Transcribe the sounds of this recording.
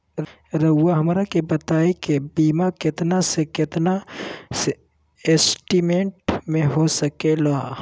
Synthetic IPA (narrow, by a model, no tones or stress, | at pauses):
ɾɐʊwaɦɐmɾakebɐt̪aːekebiːmakɪt̪nasekɪt̪nase | eːsʈimẽɳʈmẽɦosɐkelaː